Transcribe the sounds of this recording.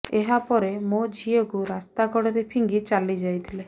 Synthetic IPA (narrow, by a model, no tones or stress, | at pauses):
eɦapɔɾemod͡ʒʱiɔkuɾast̪aɡɔɽɔɾepʰiŋɡit͡ʃalid͡ʒajt̪ʰile